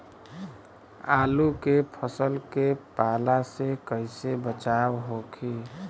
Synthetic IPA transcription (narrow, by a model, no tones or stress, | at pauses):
aːlukepʰəsəlkepalasekəɪsebət͡ʃawɦokʰi